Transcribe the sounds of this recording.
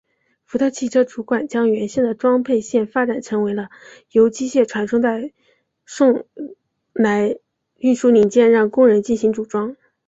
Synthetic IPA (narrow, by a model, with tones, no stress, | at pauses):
fu˧˥t̪ʰɤ˥˧t͡ɕʰi˥˩ʈ͡ʂʰɤ˥ʈ͡ʂu˧˥kwa˨˩nt͡ɕjɑ˥ŋɥɛ˧˥nɕɛ˥˩nd̪ə˩ʈ͡ʂwɑ˥ŋpʰe˥˧ɪɕjɛ˥˩nfa˥ʈ͡ʂa˨˩nʈ͡ʂʰɤ˧˥ŋwe˧˥ɪlə˧ | jo˧˥ʊt͡ɕi˥ɕjɛ˥˩ʈ͡ʂʰwa˧˥nʂʊ˥ŋt͡sa˥˧ɪ | ʂʊ˥˩ŋ | la˧˥ɪ | y˥˧nʂu˥˩li˨˥ŋt͡ɕjɛ˥˧nɻɑ˥˧ŋkʊ˥ŋɻə˧˥nt͡ɕi˥˩nɕi˧˥ŋʈ͡ʂu˨˩ʈ͡ʂwɑ˥ŋ